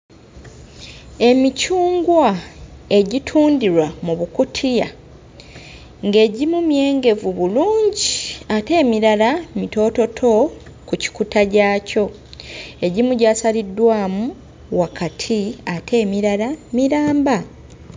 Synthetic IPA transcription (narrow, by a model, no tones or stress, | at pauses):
e̞micuːŋɡwae̞ɟitʰuːndiɾwamuβukutʰija | ŋɡe̞ːɟimumje̞ːŋɡe̞vuβuluːɲɟiate̞ːmiɾalamito̞ːto̞tʰo̞ | kuci̥kutaɟaːco̞ | e̞ɟimuɟaːsalidːwaːmu | wakatʰiatʰe̞ːmiɾalamiɾaːmba